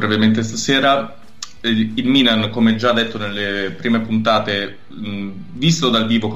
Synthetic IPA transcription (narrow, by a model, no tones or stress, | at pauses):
bɾɛvement̪̬est̪aseːɾa | ilmiːnankomeɛd͡ʒad̪ːet̪ːonelːepɾiːmepunt̪aːt̪e | vist̪od̪alviːvok